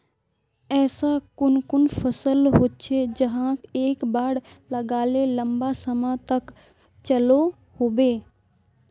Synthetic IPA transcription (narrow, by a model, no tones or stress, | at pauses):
ɛːsakʊnkʊnfʰɐsəlɦot̚t͡ʃʰed͡ʒɐɦãkeːkbaːɽlɐɡaːlelɐmbasɐmãt̪ɐk | t͡ʃɐlo | hobeː